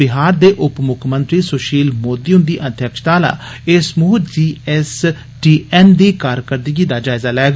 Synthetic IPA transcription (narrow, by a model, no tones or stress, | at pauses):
ɪɦaːɾd̪eːʔʊpmʊkʰmə̃nt̪ɾiːsoːʃiːlmoːd̪iːʊ̃nd̪iːʔəd̪ʱjəkʃt̪aːla̰ː | ɪsmʊːd͡ʒiːɛs | ʈiːʔɛːnd̪iːkaːɾkəɾd̪ɡiːd̪aːd͡ʒaːɪzaːlɛːɡ